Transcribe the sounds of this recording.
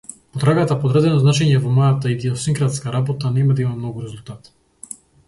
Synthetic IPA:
pɔt̪ɾaɡat̪apɔd̪ɾad̪ɛnɔznat͡ʃɛɲɛvɔmɔjat̪aid̪iɔsiŋkɾat̪skaɾabɔt̪anɛmad̪aimamnɔɡuɾɛzulˠt̪at̪

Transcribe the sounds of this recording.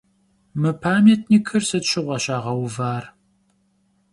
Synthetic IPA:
mɨpʰaːmeːtʰnikʰɨrsɨtɕɪʁʷɐɕaːʁɐwvaːr

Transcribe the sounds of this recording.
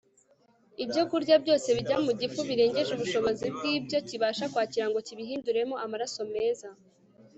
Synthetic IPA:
ibjo̞kuɾɟabɟo̞ːse̞βiɟamuɟifuβiɾe̞ːɲɟe̞ʒuβuʃo̞βo̞zib̚ɡiːbɟo̞ciβaːʃakwaːciɾaŋɡo̞ciβiɦiːnduɾe̞mo̞ʔamaɾaso̞me̞ːza

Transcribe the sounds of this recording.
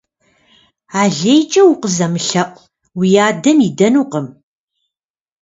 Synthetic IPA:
aːɮejt͡ʃʼɐwʊqəzɐmɨɬɐqʷʼ | wijaːdɐmidɐnuːqəm

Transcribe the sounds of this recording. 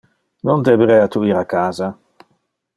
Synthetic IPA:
nond̪ebeɾɛat̪uiːɾakaːza

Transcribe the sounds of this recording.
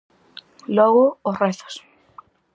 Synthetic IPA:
lɔɣʊːsreθo̥s

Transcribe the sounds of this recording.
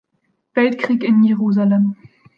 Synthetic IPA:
v̥ɛltkʁiːkɪnjeʁuːzalɛm

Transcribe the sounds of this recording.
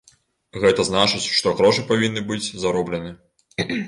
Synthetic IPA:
ɣɛt̪ɐznat͡ʂɨt͡sʲʂt̪ɔɣɾɔʂɨpavʲinːɨbɨd͡zʲzaɾɔblʲɛnɨ

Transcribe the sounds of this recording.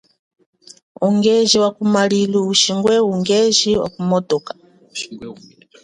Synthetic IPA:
uŋɡeʒiwakumaliliuʃiŋɡwɛuŋɡeʒiwa̰kumɔtɔkḁ

